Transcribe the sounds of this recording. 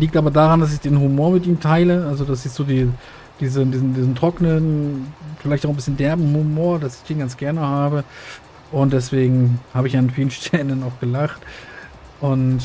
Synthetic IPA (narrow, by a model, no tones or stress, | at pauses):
liːk̚tʔaːbɐdaːʁandas̬ɪçd̥eːnɦumoːɐmɪtʔiːmtʰaɪləʔalzodas̬ɛstz̥oːdiː | d̥iːzədiːzn̩diːzn̩tʁ̥ɔknənfɪlaɪçtaʊxnbɪsçəndɛɐbm̩humoːɐdasɪ̥çd̥eːnɡant͡sɡ̥ɛɐnəhaːbə | ʔʊnt̚d̥ɛs̬v̥eːɡŋ̩haːbəɪçanfiːlənʃtʰɛlənaʊxɡ̥əlaχt | ʔʊnt